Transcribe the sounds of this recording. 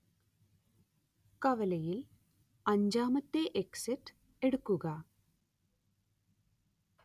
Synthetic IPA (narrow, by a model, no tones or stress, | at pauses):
kɐʋɐlɐjil | ɐɲd͡ʑaːmɐt̪ːeʔeksitː | eɽukːuɣɐ